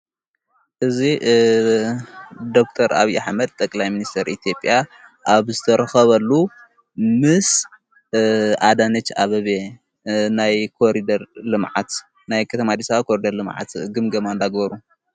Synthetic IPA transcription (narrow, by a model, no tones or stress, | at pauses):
ʔɨzi | d̪o̞k̚t̪ʰɐɾʔaβiʔaħmɐd̪̚t̪ʼɐkʼlajminist̪ʰɐɾit̪ʰjo̞pʼjaʔaβzɨt̪ʰɐɾɐxɐβɐlːu | mɨs | ʔad̪anɐt͡ʃːaβɐβe | najkʰoɾid̪ɐɾlɨmʕa̰t̪ | najkʰɐt̪ʰɐmad̪isakʰoɾid̪ɐɾlɨmʕa̰t̪ɡɨmɡɐmand̪aɡbɐɾu